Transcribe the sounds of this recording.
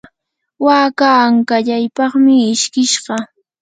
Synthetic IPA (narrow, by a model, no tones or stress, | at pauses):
waːkaːŋkaʎajpɑχmɪːʃkɪʃɢɑ